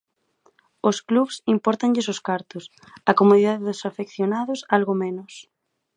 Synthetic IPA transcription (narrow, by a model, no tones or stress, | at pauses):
oskluβsimpɔɾt̪aŋʎɪs̬ʊskaɾt̪ʊs | ɐkomoðiðaðeðʊsafekθjonaðʊsalɣomenʊs